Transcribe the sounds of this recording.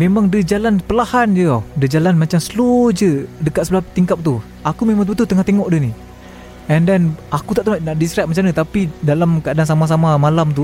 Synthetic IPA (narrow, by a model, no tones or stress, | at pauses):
memaŋdəd͡ʒalanpəlahand͡ʒəadəd͡ʒalanmat͡ʃamsəlod͡ʒədəkat̪səbəlaht̪iŋkap̚t̪u | akumemãŋt̪̬ut̪ut̪əŋaht̪eŋɔʔdəni | ɛndɛnakut̪aʔt̪əmaʔnaʔdisɾap̚mat͡ʃanət̪apidalamkadaŋsamas̬amamalamt̪̬u